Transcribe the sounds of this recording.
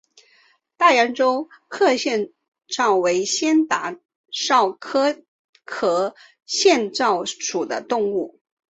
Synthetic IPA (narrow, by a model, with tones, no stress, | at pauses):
t̪a˥˩ja˧˥nʈ͡ʂo˥ʊkʰɤ˥˧ɕjɛ˥˧n | ʈ͡ʂɑ˥˩ʊwe˧˥ɪɕjɛ˥nt̪a˧˥ | ʂɑ˥˩ʊkʰɤ˥ | kʰɤ˧˥ | ɕjɛ˥˧nʈ͡ʂɑ˥˩ʊʂʰu˨˩d̪ə̰˦t̪ʊ˥˧ŋu˥˩